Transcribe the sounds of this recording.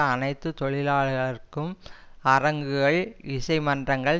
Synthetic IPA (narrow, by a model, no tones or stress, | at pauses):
ɐnɐɪt̪ːɯt̪ɔɭɪlaːɭɣɐɭɪrkɯmɐrɐŋɡɯɣɐɭɪsɐɪmɐndrɐŋɡɐɭ